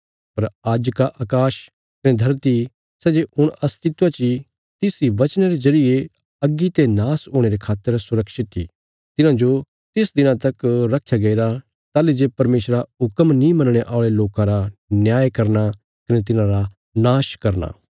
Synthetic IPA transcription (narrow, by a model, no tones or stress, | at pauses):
pɐɾaːd͡ʒkaʔaːkaːʃ | kɐned̪ʱɐɾt̪i | sɛːd͡ʒeʔʊɽ̃ɐst̪ʰɪt̪at͡ʃi | t̪ɪsiʋɐt͡ʃñeɾezɐɾɪje | ɐɡːit̪enaːsɦoːɽ̃eɾekʰaːt̪ːəɾsʊɾəkʃɪt̪ḭ | t̪ɪnãd͡ʒo | t̪ɪsd̪ɪnãt̪ɐkɾɐkʰːjaɡɐiɾa | t̪aːlid͡ʒepɐɾmeːʃɾaʊkəmnĩmɐ̃nəɽ̃eʔaːɭeloːkãɾanjaːjkɐɾna | kɐnet̪̬ɪnãɾa | naːʃkɐɾna̰ː